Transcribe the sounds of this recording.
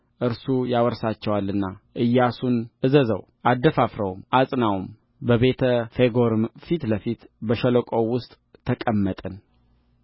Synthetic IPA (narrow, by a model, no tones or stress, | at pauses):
ʔɨɾsujawəɾsat͡ʃːɛwalːɨnːaʔɨjːasunʔɨzəzə̰w | ʔad̪əfafɾəwmasʼnawm | bəβe̞t̪ʰəfeɡo̞ɾɨmfit̪ləfit̪bəʃələkʼo̞wʊst̪ʼːʰəkʼəmːət̪ʼən